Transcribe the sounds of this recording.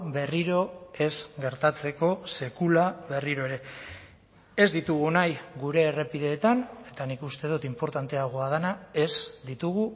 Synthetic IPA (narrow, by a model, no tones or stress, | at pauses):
be̞riɾo̞e̞zɡe̞ɾt̪at͡se̞ko̞se̞kulaβe̞riɾo̞e̞ɾe̞ | e̞zd̪it̪uɣ̞unajɡuɾe̞ːre̞piðe̞ːt̪ane̞t̪anikust̪e̞ð̞ut̪impo̞ɾt̪ant̪e̞aɣ̞oað̞anae̞zd̪it̪uɣu